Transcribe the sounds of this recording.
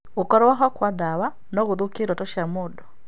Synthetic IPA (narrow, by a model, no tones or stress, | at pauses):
okɔɾɔwaɦɔkwadawa | nɔɣoðokeɾwɔtɔʃamɔdɔ